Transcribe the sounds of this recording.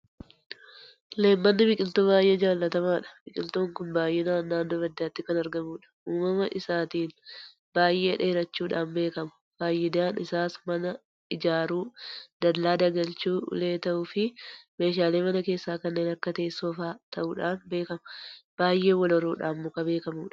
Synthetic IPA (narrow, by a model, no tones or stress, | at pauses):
le̞ːmːɐnːɪbɪkʼɪlt̪oːbaːjʔeːd͡ʒaːlːɐt̪ɐmaːᶑɐ̥bɪkʼɪlt̪oːŋkʊnbaːjʔeːnaːnːaːnːoːbɐd̪ːaːt̪ːɪkɐnɐɾɡɐmuːᶑɐ̥ʔuːmːɐmɐʔɪsaːt̪iːn | b̥aːjʔe̞ːᶑeːɾɐt͡ʃːuːᶑaːnbe̞ːkɐmɐ̥ | b̥aːjːɪd̪aːnɪsaːsmɐnɐ | ɪd͡ʒaːɾuːd̪̥ɐd̪laːd̪ɐɡɐlt͡ʃuːle̞ːt̪ɐʔʊfɪme̞ːʃaːle̞ːmɐnɐke̞ːsːaːkɐnːe̞ːnɐkːɐt̪ɐɛsːoːfaːt̪ʰɐʔuːᶑaːnbe̞ːkɐmɐb̥aːjʔe̞ːwɐlɐɾuːᶑa̰ːnmʊkɐbe̞ːkɐmuːᶑɐ̥